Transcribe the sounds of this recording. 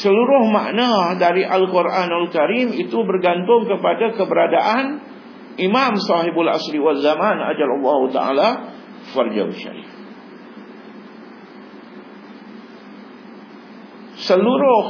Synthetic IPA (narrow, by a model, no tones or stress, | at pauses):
səluɾʊhma̰ʔnãdaɾiʔalkuɾʔanalkaɾimit̪ubərɡant̪ʊŋkəpadakəbəɾadaʔan | ʔimãmsɔhibala̰sɾiwazamãna̰d͡ʒalɑlːahut̪a̰ʔa̰la | fard͡ʒa̰wʃa̰ɾḭf | səluɾʊh